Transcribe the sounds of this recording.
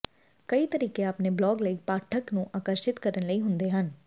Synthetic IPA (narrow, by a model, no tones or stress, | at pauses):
kəiːt̪əɾiːkeːaːpneːblɔːɡləiːpaːʈʰəknũːʔaːkəɾʃɪt̪kəɾənləiːɦʊnd̪eːɦən